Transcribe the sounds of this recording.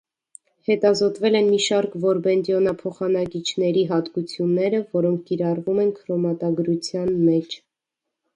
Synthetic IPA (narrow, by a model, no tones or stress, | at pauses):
hɛt̪ɑzɔt̪vɛlɛnmiʃɑɾkvɔɾbɛnd̪jɔnɑpʰɔχɑnɑkit͡ʃʰnɛɾiɦɑt̪kut͡sʰjunːɛɾəvɔɾɔŋkʰkiɾɑrvumɛnkʰɾɔmɑt̪ɑɡɾut͡sʰjɑnmɛt͡ʃʰ